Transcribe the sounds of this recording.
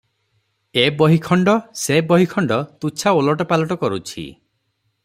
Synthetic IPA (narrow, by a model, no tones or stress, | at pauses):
ebɔɦikʰɔɳɖɔsebɔɦikʰɔɳɖɔt̪ut͡ʃʰaolɔʈɔpalɔʈɔkɔɾut͡ʃʰḭ